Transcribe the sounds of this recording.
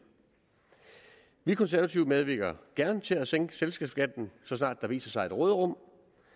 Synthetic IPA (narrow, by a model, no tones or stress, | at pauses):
ʋikʰɒ̽ns̬æɐæt͡sʰiʊmeðˠʋiɡ̥ɐɡ̥æɐnt͡sʰe̝æseŋɡ̥əselsɡ̥ɛːbsɡ̥æd̥n̩sɒ̽s̬nɑ̰̈ːd̥ːɑ̈ʋḭːsɐsɑ̈ɪe̝d̥ʁɔːðˠəʁɔ̽m̰